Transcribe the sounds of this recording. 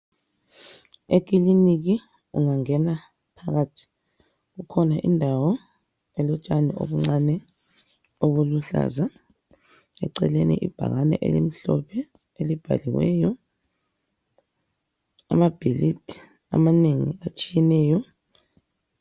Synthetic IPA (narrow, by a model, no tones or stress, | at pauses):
ek̬ʼilinik̬i | uŋaŋɛna | pʰaɣatʰi̥ | ukʰɔnaʔindʱawɔ | ɛlɔt͡ʃʼanɛo̰βuŋ͡ǀanɛ | oβuluɬa̰za | ɛǀɛlenḭʔib̥ʱa̰ɣanɛ̰ʔelim̩ɬɔpʰɛ | elib̥ʱa̰liwɛ̰ːjɔ | a̰mab̥ʱilidi̥ | a̰maneŋḭat͡ʃʼijɛnɛːjɔ